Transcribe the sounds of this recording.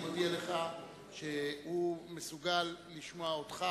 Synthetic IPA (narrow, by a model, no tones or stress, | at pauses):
modialeχa | ʃehumesuɡalːiʃmoaotχa